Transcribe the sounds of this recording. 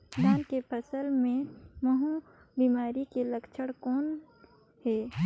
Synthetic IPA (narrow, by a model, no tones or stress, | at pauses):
naːnkepʰəsəlmẽmɐɦũ | biːmaːɾikeləkt͡ʃʰəɽkɔːn | hɛː